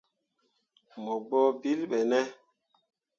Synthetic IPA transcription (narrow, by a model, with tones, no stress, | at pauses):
mɔ˨ɡ͡bɔ˦bi˦lɓɛ˨nɛ˦